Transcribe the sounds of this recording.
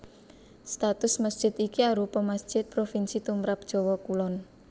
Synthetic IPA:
st̪at̪ʊsməsd̥ʒ̥ɪt̪ikiaɾupɔmasd̥ʒ̥ɪt̪̚pɾofinsit̪umɾap̚d̥ʒ̥ɔ̤wɔkulɔn

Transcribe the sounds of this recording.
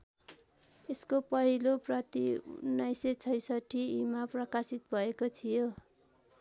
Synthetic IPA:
eskopʌɦiloprʌt̪iṵnːʌjset͡sʰʌjsʌʈʰːiimaprʌkasit̪bʱʌekot̪ʰijo

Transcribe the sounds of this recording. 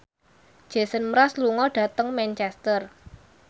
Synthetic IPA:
ʒ̥e̤sənmɾasluŋɔɖ̥ä̤t̪əŋmɛnt͡ʃɛst̪ər

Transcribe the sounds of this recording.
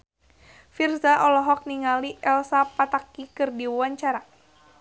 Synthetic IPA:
firsaʔɔlɔɦɔk̚niŋaliʔɛlsapat̪akikɨrdiwuwaɲt͡ʃaɾa

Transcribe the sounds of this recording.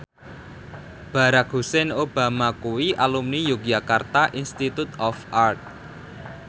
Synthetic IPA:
b̥a̤ɾak̚ɦusɛnob̥a̤makuwiʔalumnijuɡjakart̪aʔinst̪it̪ut̪ɔfart̪̚

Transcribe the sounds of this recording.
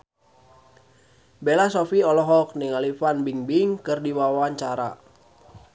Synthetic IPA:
belasɔfiɔlɔɦɔk̚nɪŋalifanbiŋbiŋkɨrdiwawaaɲt͡ʃaɾa̰

